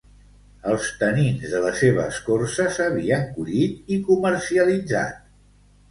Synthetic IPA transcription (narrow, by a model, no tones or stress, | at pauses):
əlˠst̪əninzðələseβ̞əskorsəsəβ̞iəŋkuʎit̪̚ikuməɾsiəlid͡za̰t̪̚